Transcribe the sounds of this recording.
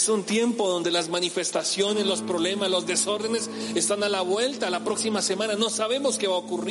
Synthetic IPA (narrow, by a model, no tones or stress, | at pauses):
sunt̪je̞mpo̞ðo̞nd̪e̞lazmanife̞st̪asjo̞ne̞zlo̞spɾo̞βle̞maslo̞zd̪e̞so̞ɾðe̞nes | est̪analaβwe̞lt̪alapɾo̞ksimase̞mãnano̞saβ̞e̞mo̞ske̞βaokuri